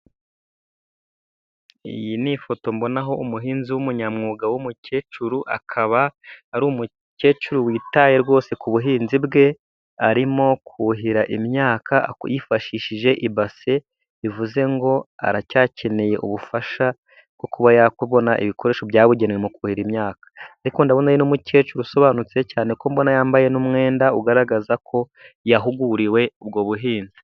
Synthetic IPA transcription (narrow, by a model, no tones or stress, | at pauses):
ḭjinifo̞to̞mbo̞naɦo̞umuɦiːnziwumuɲamŋuːɡawumuce̞ːt͡ʃuɾuʔa̰kʰaβaːɾuːmu | ce̞ːt͡ʃuɾuwiːtaje̞ɾɡwo̞ːse̞kuβuɦiːnzibɡe̞ | aɾimo̞kʰuɦiɾaʔimɲaːkajifaʃiːʃiʒe̞ʔiβase̞ | ivuze̞ŋɡo̞a̰ɾacaːcʰe̞neje̞ʔṵβufaʃa | bɡ̥o̞kuβajakweβo̞naʔḭβikʰo̞ɾe̞ːʃobjaːβuɟenŋemokuhiɾimɲaːkḁaɾiko̞ndaβonajinomuce̞ːt͡ʃuɾuso̞βaːnut͡secaːne̞kombo̞najaːmbaje̞numŋe̞ːndauɡaɾaɡazakʰo̞ | jaɦuɡuɾiwe̞ub̚ɡoβuɦiːnzi̥